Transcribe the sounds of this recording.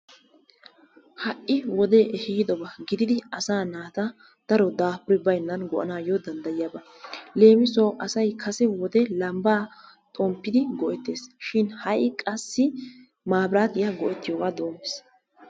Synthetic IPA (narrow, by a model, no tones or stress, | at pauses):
hɐʔːɪwɔd̪ɛʔɛhiːd̪ɔbɐɡɪd̪ɪd̪ɪɐsaːnaːt̪ɐ | d̪̥ɐɾɔd̪aːpʊɾɪbɐjnːɐnɡɔʔɐ̰naːjɔd̪ɐnd̪ɐjjabɐ | le̞ːmɪsoːʔɐsɐjkʰɐsɛwɔd̪ɛlɐmbaː | t̪ʼɔmpːɪd̪ɪɡɔʔɛt̪ːe̞ːsʃɪnhɐʔɪkʼɐsːɪ | maːbɾaːt̪ɪjaɡɔʔɛt̪ːɪjoːɡaːd̪o̞ːmɪs